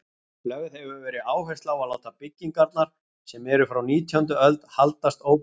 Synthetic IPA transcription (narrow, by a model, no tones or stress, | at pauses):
klœvðhɛvʏvɛːɾɪaːwɦɛst̪lawaðlaːwht̪apɪcːiŋkaɾt̪naɾ̥ | sɛmɛɾʏfɾawniːt̪ʰjʏnt̪ʏœlt̪halt̪ast̪oːwp